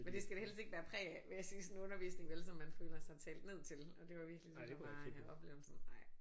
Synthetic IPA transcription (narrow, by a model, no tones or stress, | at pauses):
mend̥e̝sɡ̥æɾe̝hel̰sd̥e̝ɡ̥ʋæːɐpʰʁɛ̰ːæʋe̝jæsiːsɔn̩ɔ̽nɐʋḭːsne̝ŋʋelsɒ̽mːænføːlɐsɑ̈ɪt͡sʰɛ̰ːld̥ne̝ð̞̰ˠt͡sʰe̝lɒ̽d̥e̝ʋɑ̈ʋiɐɡ̥lisɔɒ̽b̥le̝̰ːʊl̩sn̩ɑ̈ɪ̰